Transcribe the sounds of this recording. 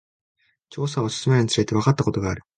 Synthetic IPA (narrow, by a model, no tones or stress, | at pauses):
t͡ɕo̞ːs̬aosɨ̥sɨmeɯɲ̟it͡sɨɾe̞t̪e̞βakat̪ːako̞t̪o̞ɡaːɾɯ̟̥